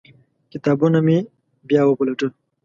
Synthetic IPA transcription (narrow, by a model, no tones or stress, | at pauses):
kɪt̪aːbunami | bjaːwəpulɐʈu